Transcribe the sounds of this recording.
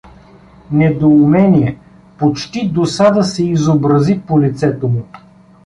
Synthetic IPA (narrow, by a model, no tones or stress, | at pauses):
nɛd̪oumɛnʲiɛ | pot͡ʃt̪id̪osad̪əsɛizobɾɐzipolit̪sɛt̪omʊ